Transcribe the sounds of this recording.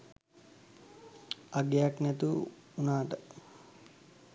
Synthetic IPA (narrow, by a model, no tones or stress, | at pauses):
aɡejaknɛt̪u | unaːʈə